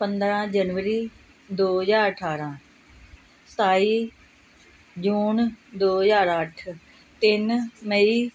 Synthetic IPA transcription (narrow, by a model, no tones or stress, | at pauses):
pənd̪ɾãːd͡ʒənʋəɾiː | d̪oːɦzaːɾəʈʰaːɾãː | st̪aːiː | d͡ʒuːnd̪oːɦzaːɾəʈʰ | t̪ɪnməiː